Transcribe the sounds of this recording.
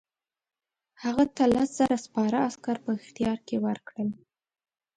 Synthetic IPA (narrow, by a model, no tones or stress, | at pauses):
haɣat̪alasz̥aɾaspɑɾaaskaɾpəɪxt̪ijɑɾkewəɾkɽəl